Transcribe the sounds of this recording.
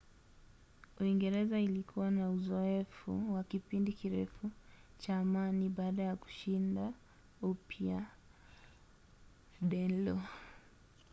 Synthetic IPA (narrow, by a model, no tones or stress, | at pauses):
uiŋɡɛɾɛzailikʰuwanauzɔɛfṵwakipindikiɾɛfut͡ʃaːmaniɓaːɗajaku̥ʃinda | upja | ɗɛlɔ